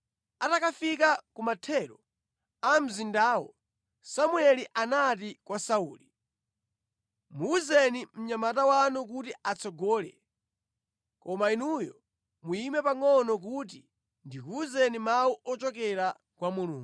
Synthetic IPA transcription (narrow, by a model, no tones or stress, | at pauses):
atakafikakumatʰɛɾɔ | am̩zindaːwɔ̰ | samwɛliʔanat̬ikwasauːli | muuzɛnim̩ɲamatawanuk̬utiat͡sɔɡɔːlɛ̰ | kɔmainujɔ | muimɛpaŋɔnɔk̬ut̬i | ndikuzɛnimawuʔɔt͡ʃɔkɛɾa | kwamuluːŋɡ